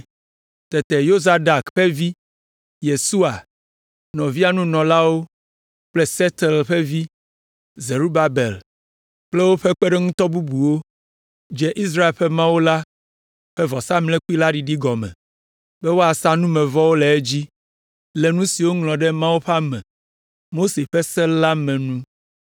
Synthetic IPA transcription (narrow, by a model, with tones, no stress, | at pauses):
t̪ɛ˨t̪ɛ˨jo˦za˨da˨kɸe˦vi˦ | je˨su˦a˨ | nɔ̃˨vi˦a˨nũ˦nɔ̃˨la˦wo˦ | k͡plɛ˦sɛ˦t̪ɛ˨lɸɛ˦vi˦ | ze˨ɾu˦ba˨be˨l | k͡ple˦wo˦ɸɛ˦k͡pe˦ɖɛ˦ŋũ˦t̪ɔ˦bu˦bu˨wo˦ | d͡ʒɛ˦ʔi˦s̬ɾa˦e˨ɸɛ˦mã˦wo˦la˦ | ɸɛ˦vɔ˨sa˦mlɛ̃˦ku˦i˦la˦ɖi˨ɖi˦ɡɔ˨mɛ̰̃˨ | bɛ˦wo˦a˨sa˦nũ˦mɛ̃˨vɔ˦wo˦lɛ˨ɛ˦d͡ʑi˦ | lɛ˨nũ˦si˨wo˦ŋlɔ̃˨ɖɛ˦mã˦wo˦ɸe˦a˦mɛ̰̃˨ | mo˦se˨ɸɛ˦sɛ˦la˦mɛ̃˨nũ˦